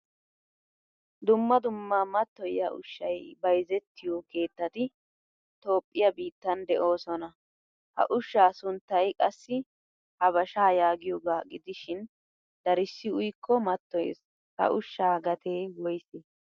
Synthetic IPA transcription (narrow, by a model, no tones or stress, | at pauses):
d̪ʊmːɐd̪ʊmːamɐt̪ːɔjɐ̰ʔʊ̰ʃːɐjbɐjzɛt̪ːɪjoːke̞ːt̪ːɐt̪ɪ | t̪o̞ːpʼːɪjɐbiːt̪ːɐnd̪ɛʔo̞ːsɔnɐ | hɐ̰ʔʊʃːaːsʊnt̪ːɐjkʼɐsːɪ | hɐβɐʃaːjaːɡɪjoɡaːɡɪd̪ɪʃɪn | d̪ɐɾɪsːɪʊjkʰːɔmɐt̪ːɔjḛs | hɐ̰ʔʊʃːaːɡɐt̪ʰeːwɔjsɛ